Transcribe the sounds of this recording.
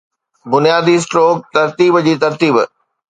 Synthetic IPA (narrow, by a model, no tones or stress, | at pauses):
bʊnijaːd̪is̬ʈɾoːk̚t̪ɐɾt̪iːbd͡ʑiːt̪ɐɾt̪iːb